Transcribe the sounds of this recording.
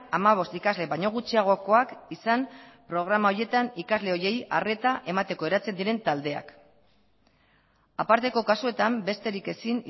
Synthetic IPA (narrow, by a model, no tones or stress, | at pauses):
amaβ̞o̞st̪ikazle̞βaɲo̞ɣ̞ut͡ʃiaɣ̞o̞ko̞akisampɾo̞ɣ̞ɾamaoje̞t̪anikazle̞o̞je̞ja̰re̞t̪aʔe̞mat̪e̞ko̞e̞ɾat͡se̞nd̪iɾe̞nt̪ald̪e̞a̰k | apaɾt̪e̞ko̞kasue̞t̪ambe̞st̪e̞ɾike̞sin